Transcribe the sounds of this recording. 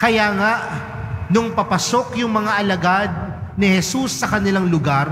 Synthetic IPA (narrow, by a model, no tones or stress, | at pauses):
kɐjaŋaʔ | nʊŋpɐpɐsokjʊŋmɐŋaʔɐlɐɡad̪̚nɪhɛsusːɐkɐnɪlaŋlʊɡaɾ